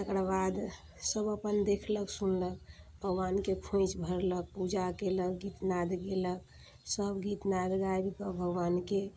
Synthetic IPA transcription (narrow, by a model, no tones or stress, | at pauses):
t̪əkɾbad̪ | səbəpənd̪ekʰləksunlək̚bʱəɡwankekʰõt͡ʃbʱəɾlək̚pud͡ʒakelək̚ɡit̪nad̪ɡelək̚ | səbɡit̪nad̪ɡaebipəbʱəɡwanke